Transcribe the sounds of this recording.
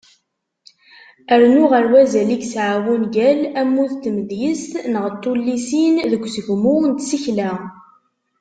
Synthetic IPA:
əɾnʊʁəɾwæzæliksʕawunɡælæmːuðt̪məðjəst̪nəʁt̪ˤːulːisinðəɡʷːsəʝmʊnt̪siçlæ

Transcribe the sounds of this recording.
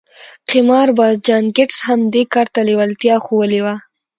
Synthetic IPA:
qɪmɑɾbɑd̪̚d͡ʒɑŋkɪʈshamd̪ekɑɾt̪alewalt̪jɑxowəlewa

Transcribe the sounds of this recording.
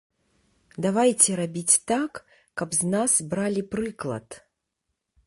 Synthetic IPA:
d̪avajt͡sʲɛɾabʲit͡sʲt̪akː | ɐbznasbɾalʲipɾɨklˠɐ̰t̪

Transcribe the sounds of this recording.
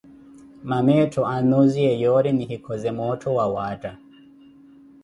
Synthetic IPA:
mamɛtʰɔanɔziɛjɔɾɛnihikʰɔzɛmɔtʰɔwawata

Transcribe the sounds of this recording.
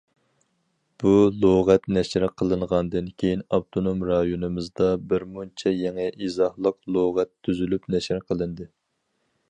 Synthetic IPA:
b̥ulˠoʁɛt̪nɛʃɾqʰəlˠɨɴʁɑnd̪ɨnkʲʰejinɑb̚t̪ʰonomɾɑjonɨmɨzd̪ɑbɪɾmunt͡ʃʰɛjɛŋɛʔizɑhlˠəqlˠoʁɛt̪ʰːyzylypnɛʃɪɾqʰəlˠɨnd̪ɨ

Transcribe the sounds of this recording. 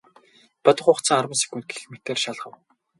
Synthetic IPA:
pɔt̪ɞ̆χʊːχt͡sə̆ŋarwə̆nsi̥kuːnt̪̚ɡexmet̪eːrʃaɮʁə̆w

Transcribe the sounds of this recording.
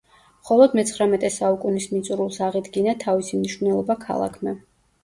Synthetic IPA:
mχɔlˠɔd̪mɛt̪sχɾamɛt̪ʼɛsaukʼunismit̪sʼuɾulˠsaʁid̪ɡinat̪ʰavisimniʃnɛlˠɔbakʰa̰lˠa̰kʰmɛ

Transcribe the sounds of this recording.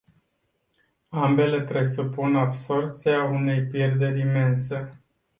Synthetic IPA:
ambe̞le̞pɾe̞supunabso̞rpt̪siaune̞jpje̞rd̪e̞ɾʲime̞nsə

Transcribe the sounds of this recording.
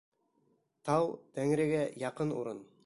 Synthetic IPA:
t̪ɑwd̪̥æŋɾɘ̆ɡæjɑqɤnṵɾɤn

